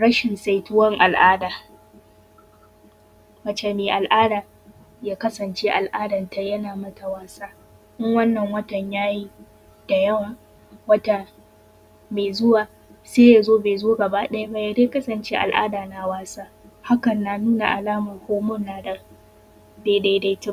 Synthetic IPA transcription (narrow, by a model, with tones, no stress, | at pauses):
ɽɐ˦ʃɪ˨nsa˨jtʊ˦wɐ˦ŋʔa˨lʔaː˦daː˨ | wɐ˨t͡ʃe˨meː˨ʔa˨lʔaː˦daː˨ | jaː˦kɐ˦sɐ˨nt͡ʃeː˦ʔa˨lʔaː˦dɐ˨nta˦jɐ˦naː˨mɐ˦tʰa˨waː˦saː˦ | ʔɪ˦ŋwɐ˦nːɐ˨ŋwɐ˦tɐ˨ɲjaː˦ji˦ | d̥a˨jɐ˦waː˨ | wɐ˦ta˨ | meː˨zʊ˦waː˨ | seː˦ja˨zoː˦beː˨zoː˦ɡɐ˨ba˦ɗɐ˦ja˦ba˦ja˨deː˦kɐ˦sɐ˨nt͡ʃeː˦ʔa̰˨lʔa̰ː˦daː˨na˨waː˦saː˦ | ha˦kɐ˨nːaː˨nuː˦na̰˨ʔa˨laː˦mɐ˨hʷoː˦mʊ˦nːaː˨da˨ | da˨˦da˦da˦jtɪ˦